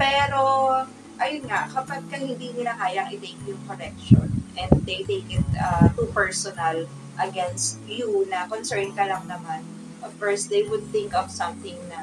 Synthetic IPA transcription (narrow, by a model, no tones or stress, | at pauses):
pɛːɾo | ʔɐjʊnŋaʔkɐpaɡ̚kɐhɪ̃nd̪iːnɪlakaːjɐŋʔɪt̪ejkjʊŋkoɾɛk̚ʃo̰nʔɛ̃nd̪̚d̪ejt̪ejkɪt̪̚ɐt̪upɛɹsɔnɐl | ʔɐɡɛnst̪̚junɐkonsɛɹnkɐlɐŋnɐman | ʔɐfɔɹsd̪ejwʊd̪̚θɪŋkɔvsɐ̃mθɪŋnɐ